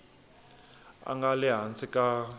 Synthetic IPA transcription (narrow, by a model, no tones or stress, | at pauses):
a̰ŋɡalɛɦant͡sʼikʼa